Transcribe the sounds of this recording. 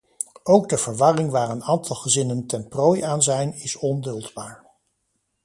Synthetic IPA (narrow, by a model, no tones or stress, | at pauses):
owɡdəvəɹʋɑrɪŋʋaːɹənaːntɑlˠχəzɪnəntɛnproːjaːnzɛjnɪsɔndɵlˠdbaːɹ